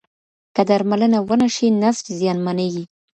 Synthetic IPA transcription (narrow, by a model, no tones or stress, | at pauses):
kəd̪aɾmalənawənaʃinastzjɑnmaneɡi